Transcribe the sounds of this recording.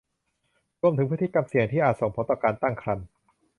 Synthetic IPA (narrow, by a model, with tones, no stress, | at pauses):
ɾu˧əmt̪ʰɯ˩˦pʰːt̪ʰi˦˥˩ka˧msi˨˩əŋt̪ʰiː˥˩ʔaː˨˩t̪̚so˨˩ŋpʰo˨˦˥nt̪ɔː˨˩kaː˧nt̪a˥˩ŋkʰɾa˧n